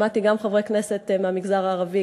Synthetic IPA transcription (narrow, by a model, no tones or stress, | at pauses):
mat̪iɡamχavʁekneset̪meamiɡzaʁaːʁavi